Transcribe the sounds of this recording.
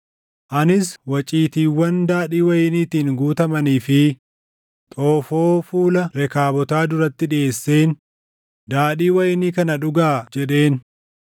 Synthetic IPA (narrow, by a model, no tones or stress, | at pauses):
ʔɐnɪswɐt͡ʃʼiːt̪iːwːɐnd̪aːᶑiːwɐjɪniːt̪iːŋɡuːt̪ɐmɐniːfɪ | t̪ʼoːfo̞ːfuːlɐɾɛkaːbɔt̪aːd̪ʊɾɐt̪ːɪᶑɪeːsːe̞ːn | d̪aːᶑiːwɐjɪniːkɐnɐᶑʊɡaːd͡ʒɛᶑe̞ːn